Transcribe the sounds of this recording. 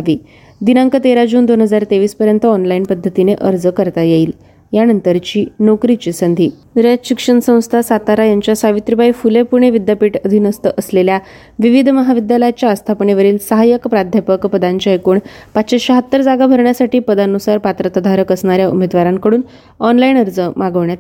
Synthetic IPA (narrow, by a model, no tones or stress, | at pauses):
aʋiː | d̪inaŋkət̪eɾad͡ʑuːnd̪onɦəd͡zaɾt̪eʋiːspəɾjənt̪əɔnlainpəd̪ʱːət̪ineʔəɾd͡zkəɾt̪ajeiːl | janənt̪əɾt͡ɕiːnokɾit͡ɕisənd̪ʱiː | ɾəɕikʂəɳsə̃w̃st̪ʰasat̪aɾajaɲt͡ɕjasaʋit̪ɾibʱaifulepuɾɳ̃eʋid̪japiʈəd̪ʱiːnəst̪əʔəslelja | ʋiʋid̪ʱməɦaʋid̪jaləjat͡ɕjaəst̪ʰapɳeʋəɾiːlsəɦajəkpɾad̪ʱjəpəkpəd̪aɲt͡ɕaekuːɳpat̪ːɕiɕaɦət̪ːəɾd͡zaɡabʱəɾɳjasaʈiːpəd̪anusaɾpat̪ɾət̪əd̪ʱaɾəkəsɳaɾjaṵmed̪ʋaɾaŋkəɽuːn | ɔnlainəɾd͡zəmaɡəʋɳjat̪